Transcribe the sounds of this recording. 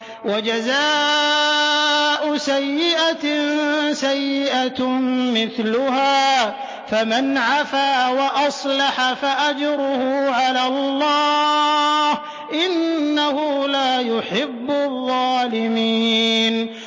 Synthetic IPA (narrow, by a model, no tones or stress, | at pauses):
wad͡ʒazaː | ʔʊsajːɪʔa | sajːɪʔamɪθlʊhaː | famanʕafaːwaʔɑsˤlɑħafaʔad͡ʒɾʊhʊʕalaːlˤːɑː | h | ʔɪnːahʊlaːjʊħɪbːʊðˤːɑːlɪmiːn